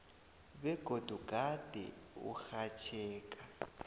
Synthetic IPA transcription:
βɛɡ̥ʱod̥ʱuɡ̥ʱad̥ʱɛ̰ṵxat͡ʃʰɛːkʼa

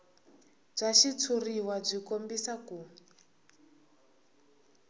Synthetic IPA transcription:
b͡ʐaʃit͡sʰuriwab͡ʐikombisaku

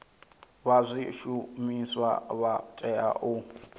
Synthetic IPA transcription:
βazʷiʃumiswa̰βatʼɛa̰ʔu

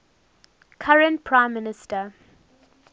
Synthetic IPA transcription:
kʰaɹə̃nt̚pʰɹãɪ̃mːɪnɪstə

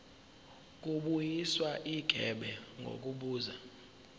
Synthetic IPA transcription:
k̬ʼuɓujiswaʔiɡ̥ʱɛɓɛŋɡʱo̰k̬ʼuɓuːza

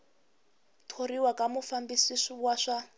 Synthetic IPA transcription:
tʰoɾiwakʼamufambisisɔwaʂa

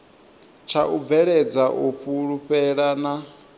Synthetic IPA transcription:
t͡ʃʰaʔub̪vɛɺɛd͡zaʔuɸʰuɺuɸɛɺana

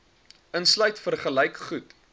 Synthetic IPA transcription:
ənslœɥtfərχəlɛjkχut

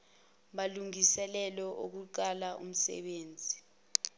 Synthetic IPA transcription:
ɓaluŋisɛlɛlɔʔok̬uǃalaʔṵm̩sɛ̰ɓeːnd͡zʱi

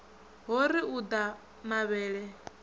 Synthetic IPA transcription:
ɦɔɾiud̪a | maβɛːɺɛ

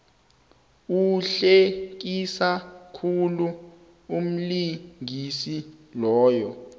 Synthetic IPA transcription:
uɬek̬isakʰulu | um̩liŋisilɔːjɔ

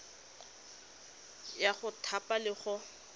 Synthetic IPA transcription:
jaχʊtʰapalɪχʊ

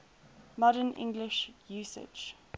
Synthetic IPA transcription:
mɔɾənʔɪ̰̃ŋɡlɪʃjuːsɪ̰d͡ʒ

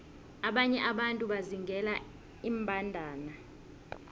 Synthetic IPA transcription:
aɓaɲɛʔaɓantʼuɓaziŋɡʱɛla | imbʱandʱaːna

